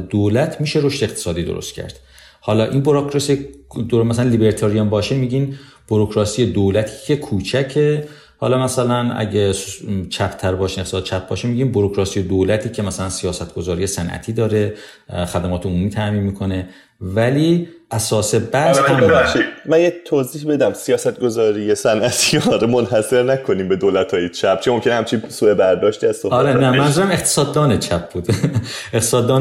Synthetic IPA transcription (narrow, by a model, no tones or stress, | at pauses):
d̪̥oːlæt̪ʰmiːʃe̞ɾoʃt̪eːqt̪ʰe̥sɒːd̪iːd̪oɾo̰st̪cʰæ̰ɾd̪̥ | hɒːlɒːʔinboɾokʰɾɒsied̪omæsælænlibeɾt̪ʰɒɾijombɒːʃemiːɟin | b̥uɾokɾɒːsijed̪oːlæt̪ʰi̥ːcʰe̞kʰuːt͡ʃʰæcʰe̞ | hɒ̰ːlɒmæsælænæ̰ɟet͡ʃʰæpʰt̪ʰæɾbɒːʃineqt̪esːd̪t͡ʃʰæp̚bɒ̰ːʃemiːɟiːnbuɾokɾɒːsijed̪oːlæt̪ʰiːcʰe̞mæsælænsijɒːsæt̪ɡ̥o̞zɒːɾije̞sænʔæ̰t̪ʰiːd̪ɒːɾe̞ | xæd̪æmɒːt̪eomuːmiːt̪ʰæʔmiːnmiːkʰo̞ne̞ | væliː | ʔæsɒːse̞bæeæʃimænjet̪ʰːozihbed̪æmsijɒːsæt̪̚ɡo̞zɒːɾijesænʔæt̪ʰiɒɾemonɦæseɾnækʰonimbe̞d̪olæt̪ʰɒːjet͡ʃʰæp̚t͡ʃʰemomcʰe̞nehæmt͡ʃʰinsuːe̞bæɾd̪ɒːʃt̪iæz̥sohbɒæɾenæmænnzuɾæme̞qt̪ʰe̥sɒːd̪ːɒːnet͡ʃʰæp̚ʰbuːd̪̥et̪ʰe̥sɒːd̪ːɒːn